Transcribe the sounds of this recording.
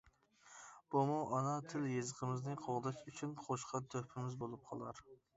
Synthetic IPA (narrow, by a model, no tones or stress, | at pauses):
b̥umuʔɑnɑt̪ʰɪljezəqəmɪznɨqʰoʁd̪ɑʃyt͡ʃʰynqʰoʃqɑt̪ʰøpʰɪmɪzbolˠup̚qʰɑlˠɑ̰ɾ